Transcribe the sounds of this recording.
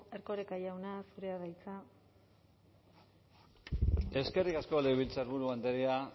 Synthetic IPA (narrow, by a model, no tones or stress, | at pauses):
eɾko̞ɾekajawnasuɾeaðajt͡sa | e̞ske̞rikasko̞leβilt͡saɾβuɾuand̪eɾia